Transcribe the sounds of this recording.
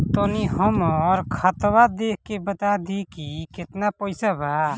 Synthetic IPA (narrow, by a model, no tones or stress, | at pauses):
t̪oniɦəmɔɾkʰət̪wad̪eːkʰkːebət̪ad̪ikikɪt̪napəɪsabʱa